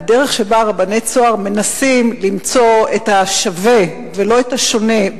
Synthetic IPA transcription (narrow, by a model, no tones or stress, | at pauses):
deʁe̞χʃe̞baʁabanet͡soaʁme̞nasimlimt͡so̞etaʃave̞ | velo̞etaʃo̞ne̞